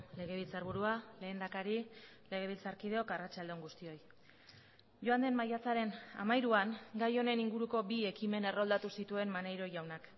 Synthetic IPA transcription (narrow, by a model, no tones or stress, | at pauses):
le̞ɣ̞e̞β̞ilt͡saɾβuɾuale̞ːnd̪akaɾi | le̞ɣ̞e̞β̞ilt͡saɾkið̞e̞o̞karat͡ʃald̪eŋɡust̪io̞j | ʝo̞and̪e̞mmajat͡saɾe̞na̰majɾuaŋɡajo̞ne̞niŋɡuɾuko̞bie̞kime̞ne̞ro̞ld̪at̪usit̪ue̞mmane̞jɾo̞ʝawnak